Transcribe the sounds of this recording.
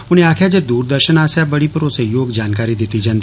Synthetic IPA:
ʊnẽaːkʰjad͡ʒed̪uːɾd̪əɾʃənaːsjabɐɽipɐɾʊsejoːɡd͡ʒaːnkaːɾid̪ɪt̪id͡ʒɐ̃nd̪i

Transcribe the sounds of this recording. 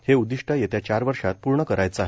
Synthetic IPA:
heud̪iʂʈʰajet̪jat͡ɕaɾʋəɾʂat̪̚puɾɳəkəɾajt͡səaɦe

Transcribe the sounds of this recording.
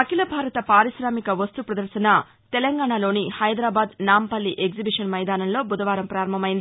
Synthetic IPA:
ɐkilɐbʱaːɾɐt̪ɐpaːɾiʃɾaːmikɐʋɐst̪upɾɐd̪ɐɾsɐnɐ | t̪ɛlɐŋɡaːɳaːlo̞ːnihɐjd̪ɾaːbaːd̪naːmpɐlːiʔeɡzibiʂɐnmɐjd̪aːnɐmlo̞ːbud̪ɐʋaːɾɐmpɾaːɾɐmbʱɐmɐjind̪ii

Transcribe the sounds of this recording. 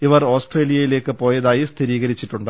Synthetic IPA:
iʋɐro̞ːsʈreːlijɐjile̞ːkːɨpo̞ːjɐðaːjist̪ʰiɾiːɣɐɾit͡ɕːiʈːuɳɖɨ

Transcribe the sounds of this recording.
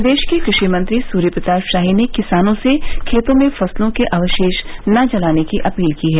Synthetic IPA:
d̪eːʃkekɾɪʃimɐ̃nt̪ɾisuːɾjəpɾɪt̪aːʃaːɦinekɪsaːnõsekʰeːt̪õmẽfɐslõkeʔaːʋəʃeːʃnɐd͡ʒɐlaːnekiʔɐpiːlkiɦɛː

